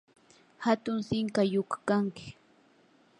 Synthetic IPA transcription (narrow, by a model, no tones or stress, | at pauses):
hat̪ʊŋsɪŋkajokḁkaŋkɪ̥